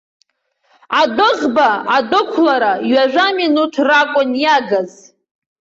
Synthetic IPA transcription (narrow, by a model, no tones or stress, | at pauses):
adɨʁbaadʊkʷʰlaɾajɥaʒʷᶣaminutʰrakʷʼʊnjaɡaz